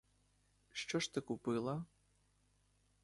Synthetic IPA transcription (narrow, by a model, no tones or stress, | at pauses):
ʃt͡ʃɔʂt̪ɨkupɨlˠɐ